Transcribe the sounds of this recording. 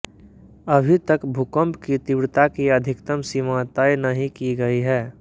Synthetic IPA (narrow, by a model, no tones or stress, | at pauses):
əbʱit̪əkbʱukə̃mpkit̪ɪbɽt̪akiɐd̪ʱɪkt̪əmsimat̪aːjnɐɦĩkiɡɐiɦɛː